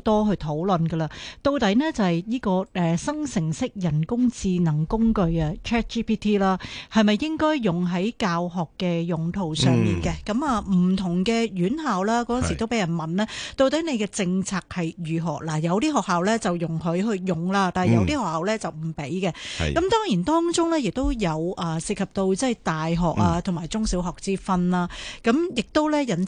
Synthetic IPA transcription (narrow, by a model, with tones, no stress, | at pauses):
t̪ɔː˥ɦɵ˧ɥt̪ʰo˨˥wlɵ˨nɡə˧laː˧t̪o˧wt̪ɐ˨˥jnɛː˥t͡sɐ˨˩hɐ˨jjiː˥kɔː˧ɛː˨sɐ˥ŋsɪ˨˩ŋsɪ˥k̚jɐ˨˩nkʊ˥ŋt͡siː˧nɐ˨˩ŋkʊ˥ŋkɵ˧ɥɐ˧t͡ʃʰɛː˥t̚t͡ʃiː˥pʰiː˥t̪ʰiː˥laː˥hɐ˨jmɐ˨jːɪ˥ŋkɔː˥jːʊ˨˩ŋɦɐ˨˥jkaː˧wɦɔː˨˩kːɛː˧jʊ˨ŋt̪ʰo˨˩wsœː˨˧ŋmiː˨nkɛ˧kɐ˨˧˥maː˨m̩˨˩t̪ʰʊ˨˩ŋkɛː˧jyː˨˥nhaː˨wlaː˥kɔː˧˥jsi˨˩t̪o˥wpe˨˥jɐ˨˩nmɐ˨nlɛː˥t̪o˧wt̪ɐ˨˥jne˨˧jkɛː˧t͡sɪ˧ŋt͡sʰaː˧k̚hɐ˨jɥyː˨˩ɦɔː˨˩k̚laː˨˩jɐ˨˧wt̪iː˥ɦɔː˨˩k̚ɦaː˨wlɛː˥t͡sɐ˨wjʊ˨˩ŋɦɵ˨˧ɥɦɵ˧ɥjʊ˨˩ŋlaː˧t̪aː˨n˨jɐ˨˧wt̪iː˥hɔː˨khaː˨wlɛː˥t͡sɐ˨wm̩˨˩pe˨˥jkɛ˧kɐ˨˥mt̪ɔː˥ŋjiː˨˩nt̪ɔː˥ŋt͡sʊ˥ŋlɛː˥jɪ˨k̚t̪o˥wjɐ˨˧wʔɐː˨sɪ˨k̚hʰɐ˨p̚t̪o˧wt͡sɐ˥˩jt̪aː˨jɦɔː˨k̚aː˧t̪ʰʊ˨˩maː˨jt͡sʊ˥ŋsiː˨˥wɦɔː˨˩k̚t͡siː˥fɐ˧nlaː˧kɐ˨˥mjɪ˨k̚t̪o˥wlɛː˥jɐ˨˩n